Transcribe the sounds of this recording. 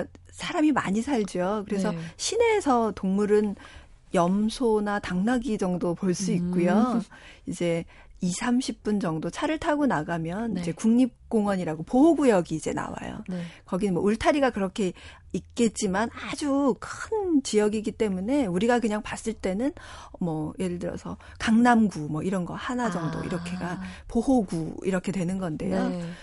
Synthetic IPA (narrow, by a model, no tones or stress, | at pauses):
sʰaɾamimaɲisʰaɭd͡ʑijokɯɾe̞sʰʌɕʰine̞sʰʌtoŋmuɾɯn | jʌmsʰonataŋnaɡid͡ʑʌŋdopoɭs͈uik̚k͈ujo | id͡ʑe̞ | isʰamɕʰip̚p͈und͡ʑʌŋdot͡ɕʰaɾɯɭtʰaɡonaɡamjʌnid͡ʑe̞kuŋɲip̚k͈oŋwʌɲiɾaɡopoɦoɡujʌɡiːd͡ʑe̞̰na̰wa̰jo̰kʌɡinɯnmwʌuɭtʰaɾiɡakɯɾʌkʰe̞ | ik͈e̞t̚t͡ɕ͈imanad͡ʑukʰɯnt͡ɕijʌɡiɡit͈e̞mune̞uɾiɡakɯɲaŋpas͈ɯɭt͈e̞nɯnmʌje̞ɾɯɭdɯɾʌ̰sʰʌ | kaŋnamɡumʌiɾʌnɡʌhanad͡ʑʌŋdo̰ḭɾʌkʰe̞ɡapoɦoɡuḭɾʌkʰe̞dwe̞nɯnɡʌnde̞̰jo